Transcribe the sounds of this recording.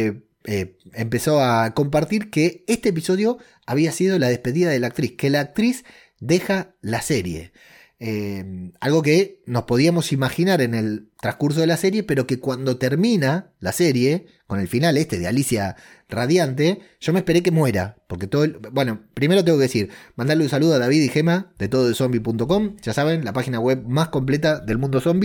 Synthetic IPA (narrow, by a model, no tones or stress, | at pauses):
eempe̞so̞ako̞mpaɾt̪iɾkeest̪eːp̬iso̞ð̞jo̞ | aβ̞iasið̞o̞lað̞e̞hpeðiðaðelaːk̚t̪ɾiske̞laːk̚t̪ɾis | d̪e̞xalaseɾje̞̰ | emalɣo̞keno̞spo̞ð̞iamo̞simaxinaɾe̞nelt̪ɾaskuɾs̬o̞ð̞elaseɾje̞peɾo̞ke̞kwand̪o̞t̪eɾmĩna | laseɾje̞ | ko̞ne̞lfinale̞st̪e̞ðea̰lisja | raðjant̪̬e̞ | ʒ̥o̞mehpeɾe̞ke̞mwe̞ɾa̰po̞ɾket̪oðobwe̞no̞pɾime̞ɾot̪eŋɡkeesiɾmãnd̪aɾleũnsaluðoaðaβ̞iðixemaðet̪oðoðeso̞mbipunt̪o̞ko̞mʒ̥asaβ̞e̞nlapaxinaɣwe̞βmasko̞mplet̪aðe̞lmũnd̪oso̞mbi